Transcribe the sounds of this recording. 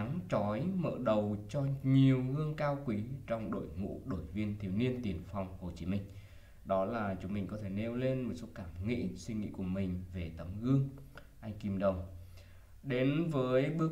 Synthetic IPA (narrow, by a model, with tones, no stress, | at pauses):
ŋt͡ɕɔ˨˦jmə̰ː˧˨ɗə˨˩wt͡ɕɔ˧ɲi˨˩əwɣɨ˧əŋkaː˧wkwi˨˦t͡ɕɔ˧wŋ͡mɗo̰˧˨jŋṵ˧˥ɗo˧˩jvi˧ənt̪ʰi˧˩əwni˧ənt̪i˨˩ənfa˧wŋ͡mho˨˩t͡ɕi˨˦mï˧ŋ̟ | ɗɔ˨˦laː˨˩t͡ɕʊ˨˦ŋ͡mmï˨˩ŋ̟kɔ˨˦t̪ʰe˧˩ne˧wle˧nmo˨˩t̚so˨˦kaː˧˩mŋḭ˧˥swi˧ŋ̟ŋḭ˧˥ku˧˩əmï˨˩ŋ̟ve˨˩t̪ə˨˦mɣɨ˧əŋ | ʔa˧jŋ̟ki˧mɗə˨˩wŋ͡m | ɗe˨˦nvəː˨˦jɓɨ˧˥ə